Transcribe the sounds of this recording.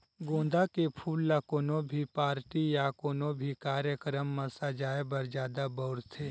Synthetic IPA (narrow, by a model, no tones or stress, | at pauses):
ɡõːnd̪akepʰuːlːakoːnõbʱipaːɾʈijakoːnõbʱikaːɾjəkɾəmːɐsad͡ʒaːebɐɾd͡ʒaːd̪abɔʊɾt̪ʰeː